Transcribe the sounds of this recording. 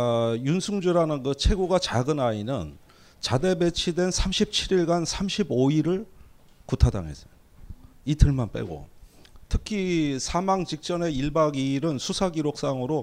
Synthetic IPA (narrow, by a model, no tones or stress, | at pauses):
junsʰuŋd͡ʑuɾanɯnkɯt͡ɕʰe̞ɡoɡat͡ɕaɡɯnainɯn | t͡ɕade̞be̞t͡ɕʰidwe̞nsʰamɕʰip̚t͡ɕʰiɾiɭɡansʰamɕʰiboiɾɯɭ | kutʰada̰ŋɦe̞̰s͈ʌ̥jo | itʰɯɭmanp͈ḛɡo̰ | tʰɯkʰisʰamaŋt͡ɕik̚t͡ɕ͈ʌne̞iɭbaɡiɾɯnsʰusʰaɡiɾok̚s͈aŋɯɾo